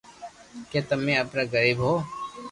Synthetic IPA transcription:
keːt̪əmẽːəpɾaɡəɾiːbɦoː

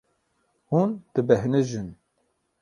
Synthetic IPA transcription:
hund̪̥ɨbɛɦnɨʒɨn

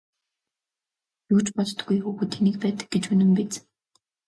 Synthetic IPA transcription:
juːt͡ɕpɔɮt̪̆ɡujxuːxŭt̪ʰːenĭk̚pæːt̪ə̥̆k̚ɡet͡ɕɵnɘ̆mpit͡s

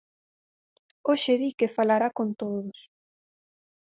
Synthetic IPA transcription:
oʃeðikefalaɾakont̪oðʊs

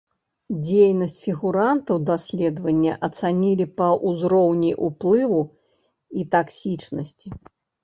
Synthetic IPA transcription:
d͡zʲejnɐsʲt͡sʲfʲiɣuɾant̪ɐwd̪asʲlʲɛd̪vɐnʲːɐʔɐt̪sanʲilʲipɐʔuzɾɔwnʲijʔuplˠɨvu | it̪aksʲit͡ʂnɐsʲt͡sʲi

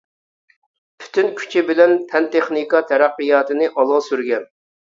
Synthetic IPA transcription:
pʰy̥t̪ʰynkʲʰy̥t͡ʃʰɪbɪlɛnpʰɛnt̪ʰeχnikɑt̪ʰɛɾæqːijɑːt̪ɨnɨʔɑlˠʁɑsyɾɡʲɛn

